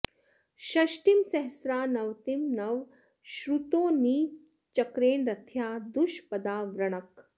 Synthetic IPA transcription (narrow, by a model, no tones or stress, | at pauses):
ʃɐʃʈimsɐɦsɾaːnɐʋt̪imnɐʋ | ʃɾut̪oːniː | t͡ʃɐkɾeːnɾɐt̪ʰjaːd̪uʃpɐd̪aːʋɾɐɳ̃ɐk